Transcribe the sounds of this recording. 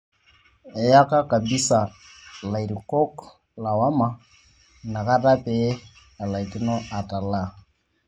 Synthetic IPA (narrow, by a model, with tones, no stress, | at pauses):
ɛ˨ja˦ka˦ka˨bi˦sa˨ | la˨i˨ɾi˨kɔ˦k | la˨wa˦ma˨ | na˨ka˦ta˦pɛ˨ɛ˦ | a˨la˨i˨ti˦nɔ˦a˨ta˨la˦˨